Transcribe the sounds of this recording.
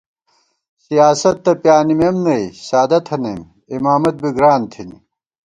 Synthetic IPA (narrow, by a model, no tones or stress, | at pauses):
sijaːsɐt̪ːɐpjaːnimemnɐisaːd̪ɐt̪ʰɐnɐjm | imaːmɐt̪̚biɡɾaːnt̪ʰini